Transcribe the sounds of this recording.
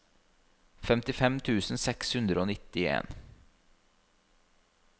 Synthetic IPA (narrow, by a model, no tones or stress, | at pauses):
fɛmt̪ɪfɛmt̪ʰʉːsn̩sɛkshʉnd̪ɾəoːnɪt̪ːɪḛːn